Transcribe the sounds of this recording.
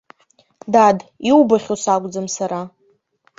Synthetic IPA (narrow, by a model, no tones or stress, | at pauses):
dadiwbaχʲosakʷʼd͡zɨmsaɾa